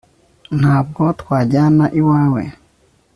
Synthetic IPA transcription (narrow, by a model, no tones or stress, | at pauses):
n̥haːb̚ɡɔtkwaːɟanaʔiwaːwḛ